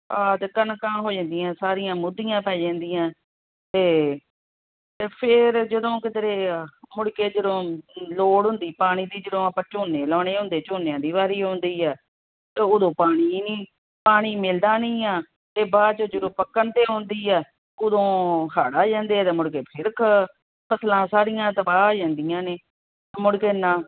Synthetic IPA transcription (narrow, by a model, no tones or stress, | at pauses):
aːd̪kənkaːmɦoːd͡ʒãːnd̪iːãːsaːɾijãːmʊd̪ːijãːpɛːd͡ʒɛ̃ːnd̪iːãː | t̪eː | eːpʰɪɾd͡ʒəd̪õːkɪd̪əɾeːmʊɽkeːd͡ʒəd̪õːloːɽɦʊnd̪iːpaːɽ̃iːd̪iːd͡ʒəd̪õːapãːt͡ʃoːneːlɔːɽ̃eːɦʊ̃nd̪eːt͡ʃoːnejãːd̪iːβaːɾiːɦʊ̃nd̪iːɛː | t̪ːʊd̪õːpaːɽ̃iːniː | paːɽ̃iːmɪld̪aːnĩːaː | eːbaːd̪t͡ʃoːd͡ʒəd̪õːpəkːəɳt̪eːɦõnd̪iːɛː | ʊd̪õːkʰaːɽaːd͡ʒãːnd̪eːɛːt̪eːmʊɽkeːpʰɪɾkʰ | pʰəslãːsaːɾijãːt̪əbaːd͡ʒãːnd̪ijãːneː | mʊɽkeːnãː